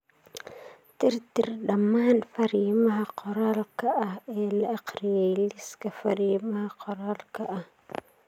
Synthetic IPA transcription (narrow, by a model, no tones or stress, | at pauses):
tiɾtiɾɗamanfaɾimaaqoɾalkaʔaelaaqɾjajliskafaɾimahaqoɾalkaʔa